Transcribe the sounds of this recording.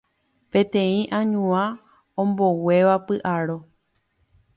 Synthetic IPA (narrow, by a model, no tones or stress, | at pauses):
pẽ̞t̪ẽ̞ĩʔãɲũã | õmbo̞we̞ʋapɨʔaɾo